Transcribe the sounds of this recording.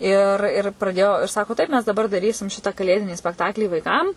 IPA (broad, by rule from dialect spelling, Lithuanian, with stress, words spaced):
ɪr ɪr prɐˈdʲeːjoː ɪr ˈsɑːkoː ˈtɐɪp mʲɛs dɐˈbɐr dɐˈrʲiːsʲɪm ˈʃʲɪtɐ kɐˈlʲeːdʲɪnʲiː sʲpʲɛkˈtɑːklʲiː ʋɐɪˈkɐm